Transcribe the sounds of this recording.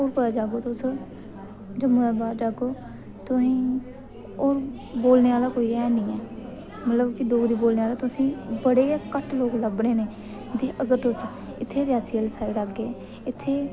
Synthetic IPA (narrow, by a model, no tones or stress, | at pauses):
oːɾpət̪aːd͡ʒaːɡoːt̪ʊs | d͡ʒəməaːbaːd͡ʒaːɡoː | t̪ʊsĩː | oːɾ | boːlneːaːlaːkoːiːɛːnĩːɛː | mət̪ləbkɪɖoːɡd̪iːboːlneːaːlaːt̪ʊsĩːbəɽeːkəʈʰloːɡləbɽeːneː | d̪iːʔəɡəɾt̪ʊs | ɪt̪ʰːeːɾɪjaːsiːəlsaːiɾakːeː | ɪt̪ʰːeː